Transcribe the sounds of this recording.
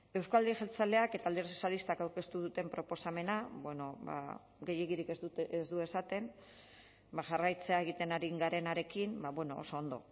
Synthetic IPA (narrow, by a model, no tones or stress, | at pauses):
e̞wskald̪iʝelt͡sale̞ake̞t̪aːld̪eɾso̥sjalist̪akawɾke̞st̪uðut̪e̞mpɾo̞po̞same̞nabweno̞ba̰ | ɡe̞je̞ɣiɾikeezd̪ue̞sat̪e̞m | baʝarajt͡se̞ae̞ɣ̞it̪e̞naɾiŋɡaɾe̞naɾe̞kimbaβwe̞no̞o̰so̞ːnd̪o̞̰